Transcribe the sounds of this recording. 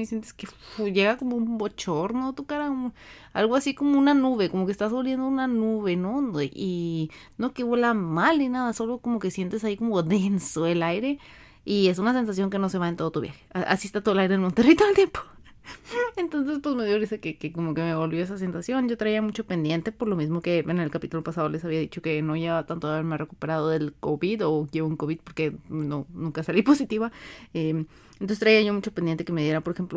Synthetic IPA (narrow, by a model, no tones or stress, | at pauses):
mesjent̪e̥skeuʝeɣakomoubot͡ʃoɾnot̪ukaɾa | a̰lɣoasikomounanuβe̞komokest̪azβolβjend̪ounanuβenoninokeβwelamalinaðasolokomokesje̞nt̪es̬aikomoðensoelajɾe | ies̬unas̬e̞ns̬as̬jo̞ŋkenose̞βaent̪oðot̪uβjaxe̥aa̰siest̪at̪ooelajɾeelmont̪erit̪oelt̪jempo̥ | ent̪o̞ns̬e̞spwe̞zme̞ðjoliskekekomo̞keme̞βo̞lβjo̞esas̬e̞nsasjo̞nɟ͡ʝo̞t̪ɾaiamut͡ʃo̞pe̞nd̪je̞nt̪e̞po̞ɾlo̞mizmo̞ke̞ene̞lkapit̪ulopasað̞o̞le̞saβiaðit͡ʃo̞keno̞ʝaβat̪ant̪oaβeɾmearekupe̞ɾað̞oðe̞lkoβiðo̞ʝeβuŋkoβid̪̚po̞ɾke̞nonũŋkasalipo̞sit̪iβaem | enosest̪ɾaiaʝo̞mut͡ʃo̞pend̪ent̪ekemeðjeɾapo̞ɾexe̞mplo